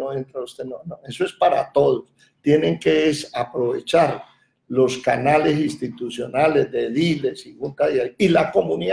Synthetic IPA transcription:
oent̪ɾaust̪enonoe̞soe̞spaɾa̰t̪o̞ðos | t̪jene̞ŋke̞esapɾo̞βe̞t͡ʃaɾ | lo̞skanale̞sinst̪it̪usjo̞nale̞zd̪e̞ðile̞siɣuŋkaðiajilako̞mũni

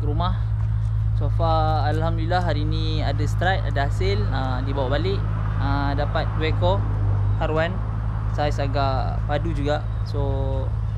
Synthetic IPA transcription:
kəɾumah | sofaː | lhamdulilahɦaɾiːni | adast̪ɾat̪a̰daɦasɪl | ə | dibawaʔbalɪʔ | ə | dapat̪̚dwɛkɔ | haɾuwan | sajasaɡa | padud͡ʒuɡaʔ | so

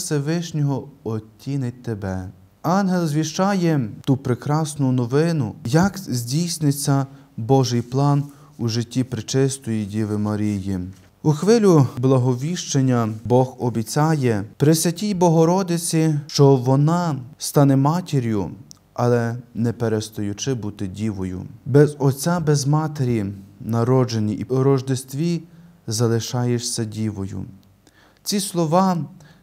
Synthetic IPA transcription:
seʋɪʃnʲɔɦɔɔtʲːinɪt̚ʲt̪ebɛ | ɑnɦelˠzʲʋʲiʃt͡ʃɑjɛt̪upɾekɾɑsnʊnɔʋɪnʊjɐkzʲdʲijsnɪt͡sʲːɐ | bɔʒɪjplˠɑn | uʒɪtʲːipɾɪt͡ʃɪst̪ɔjidʲiʋɪmɐɾʲiji | uxʋɪlʲublˠɐɦɔʋʲiʃt͡ʃenʲːɐbɔxɔbʲit͡sʲɑjɛpɾɪsʲɐtʲijbɔɦɔɾɔd̪ɪt͡sʲit͡ʃɔʋɔnɑst̪ɑnɛmɑtʲeɾʲjʊ | ɐlˠɛnɛpeɾest̪ɔjʊt͡ʃɪbut̪ɪdʲiʋɔjʊ̰bɛzɔt͡sʲabɛzmɑt̪eɾʲinɐɾɔd͡ʒenʲiʔiɾɔʒd̪est̪ʋʲi | zɐlˠɪʃɑjeʃsʲɐdʲiʋɔjʊ̰ | t͡sʲislˠɔʋɑ

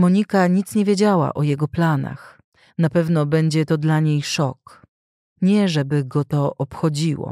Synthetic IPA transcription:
mɔɲikaɲit̪sɲevʲjed͡ʑawa̰ʔɔjɛɡɔplana̰x | napɛvnɔbɛɲd͡ʑɛt̪ɔd̪laɲejʂɔk | ɲɛʐɛbɘɡɔt̪ɔʔɔpxɔd͡ʑiwɔ̰

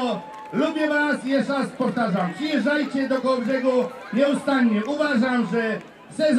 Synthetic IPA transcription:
ɔ | lubʲjɛvasjɛʂaspɔft̪aʐampʂɨjɛʐajt͡ɕɛd̪ɔkɔbʐɛɡu | ɲɛust̪aɲːɛʔuvaʐamʐɛ | sɛz

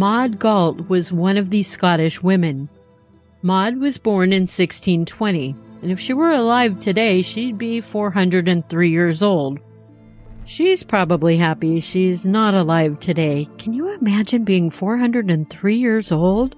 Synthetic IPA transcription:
mɑd̚ɡɔlˠt̚wʌzwʌ̃nʌvðiz̥skɑɾɨʃwɪ̃mɨ̃n | mɑd̚wʌzbɔɹnɨ̃nsɪkstʰĩntʰw̥ɛ̃ɾ̃iɨ̃nɨfʃiwə˞əlaɪv̥tʰɨdeɪʃid̚bifɔɹɦʌ̃ndɹɨɾɨ̃nθɹijɪɹzoʊlˠd̥̚ | ʃiz̥pʰɹ̥ɑbəbliɦæpiʃiɪznəɾəlaɪv̥tʰɨdeɪkʰɨ̃njɨɪmæd͡ʒɨ̃nbiɪ̃ŋfɔɹɦʌ̃ndɹɨɾɨ̃nθɹijɪɹzoʊlˠd̥

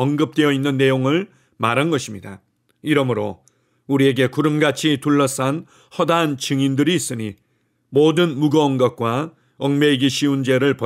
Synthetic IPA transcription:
ʌŋɡɯp̚t͈we̞jʌinːɯnːe̞joŋɯɭ | maɾanɡʌɕʰimɲida̰ | iɾʌmɯɾo̰ | uɾie̞ɡe̞kuɾɯmɡat͡ɕʰituɭːʌs͈an | hʌdant͡ɕɯŋindɯɾiːs͈ɯɲi | modɯnmuɡʌːŋɡʌk̚k͈wa | ʌŋme̞ɡiɕʰiund͡ʑe̞ɾɯɭpʌ

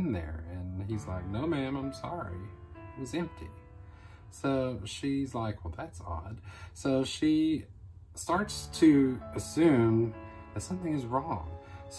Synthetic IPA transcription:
nðə̰˞ɨ̃nizlaɪk̚noʊmæ̃mãɪ̃msɑɹḭɨzɛ̃mp̚tʰḭ | soʊʃizlaɪkwɛlˠðætsɑ̰d̥soʊʃi | stɑɹtstʰɨɨsʉ̃m | ðɨtsʌ̃mθɪ̃ŋɨzɹɔ̃ŋs

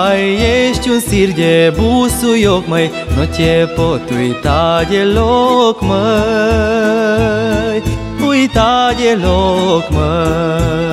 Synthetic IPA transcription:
jjeɕt͡ɕũnsiɾd͡ʒebusujokməj | not͡ɕepot̪uit̪ad͡ʑelokmə | j | uit̪ad͡ʒelokmə

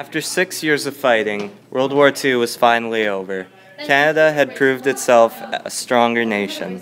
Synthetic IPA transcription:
æftə˞sɪksjɪɹzʌv̥faɪɾɪ̃ŋwʔɜ˞lˠd̚wɔɹtʰʉwʌz̥fãɪ̃nl̩ˠioʊvə˞ | kʰænɨɾəɨd̚pʰɹ̥ʉvdɨtsɛlˠfə̰stɹ̥ɔ̃ŋɡə˞neɪʃɨ̰̃n

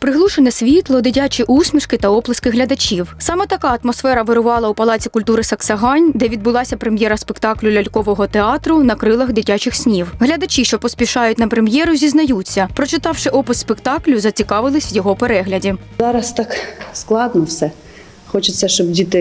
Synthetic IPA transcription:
pɾɪɦlˠuʃenɛsʲʋʲit̪lˠɔd̪ɪtʲat͡ʃʲiʔusʲmʲiʃkɪt̪ɐɔplˠɐskɪɦlʲɐd̪ɐt͡ʃʲiwsɑmɛt̪ɐkɑɐt̪mɔsfɛɾɐʋeɾʊʋɑlˠɐupɐlˠɑt͡sʲikʊlʲt̪uɾɪsɐksɐɦɑnʲd̪ɛʋʲid̪bʊlˠɑsʲɐpɾemʲjɛɾɐspekt̪ɑklʲʊlʲɐlʲkɔʋɔɦɔt̪eɑt̪ɾʊnɐkɾɪlˠɐxd̪ɪtʲat͡ʃɪxsʲnʲiwɦlʲɐd̪ɐt͡ʃʲiʃt͡ʃɔpɔsʲpʲiʃɑjʊtʲnɐpɾemjɛɾʊzʲiznɐjut͡sʲːɐpɾɔt͡ʃɪt̪ɑwʃɪʔɔpʊsspekt̪ɑklʲʊzɐt͡sʲikɑʋɪlˠɪsʲʋjɔɦɔpeɾɛɦlʲɐdʲi | zɑɾɐst̪ɑksklˠɑd̪nɔwsɛ | xɔt͡ʃɪsʲːɐʃt͡ʃɔbdʲit̪ɪ

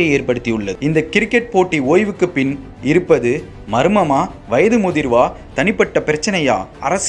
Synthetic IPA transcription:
ɐeːɾpɐɽɯt̪ːiɯɭːɐɪnd̪ɐkɪɾɯkːɛʈ̚poːʈːioːjʋɯkːɯpɪn | ɪɾɯpːɐðɯ | mɐɾɯmɐmaː | ʋɐjɐðɯmʊðɪɾʋaː | t̪ɐnɪpːɐʈːɐpɪɾɐt͡ʃːɐnɐja̰ːɐ̰ɾɐs

